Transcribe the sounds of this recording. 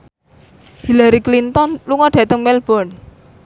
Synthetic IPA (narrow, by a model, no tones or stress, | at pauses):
hilaɾiklint̪ɔnluŋɔɖ̥ä̤t̪əŋmɛlb̥ɔn